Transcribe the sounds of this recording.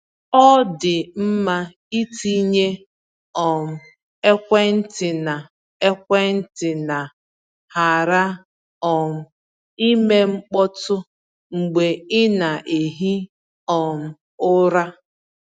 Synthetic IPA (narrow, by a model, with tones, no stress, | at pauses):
ɔ˦dɪ˨m̩˦ma˦ | i˦ti˦ɲe˦ | ɔ˨m̩˨ | e˦kʷe˦n̩˦tɪ˨na˨ | e˦kʷe˦n̩˦tɪ˨na˨ | ha˨ɾa˦ | ɔ˨m̩˨ | i˦me˦ŋ͡m̩˦k͡pɔ˦tʊ˦ | ŋ͡m̩˨ɡ͡be˨ɪ˦na˨ʔe˨ɦi˦ | ɔ˨m̩˨ | ʊ˦ɾa˦